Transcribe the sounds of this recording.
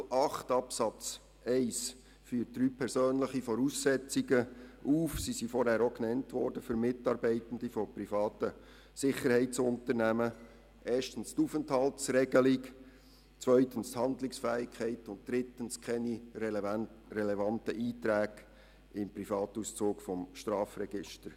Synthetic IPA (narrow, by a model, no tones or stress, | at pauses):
ɑχtɑpsɑt͡s | ɛɪs | fyːt̚d̥ɾyːpʰɛɾsøːnləχifɔɾuːsːɛt͡siɡəʔuːfsisifɔɾhæːɾoknɛntʋɔɾd̥əfʏɾmɪtɑːɾbɛɪtən̩difɔpɾifɑːtə | sɪχəɾhɛɪsʊntəɾnæmə | ʔeːʃtənstuːfənthɑltsɾɛɡ̥əlɪk | t͡sʋœʏtən̩sthɑndlɪksfæːɪkʰɛɪtʊnt̚d̥ɾɪtənskʰɛniɾ | ɾɛlɛvɑntəʔiːtɾæːɡ̥ | ɪmpɾifɑːtuːst͡suːkfɔmʃtɾɑːfrɛɡ̥ɪʃtəɾ